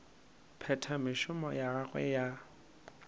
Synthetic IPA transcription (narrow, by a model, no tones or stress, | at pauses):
pʰɛtʰamɪʃʊmɔjaaɣʼwɛ̰ja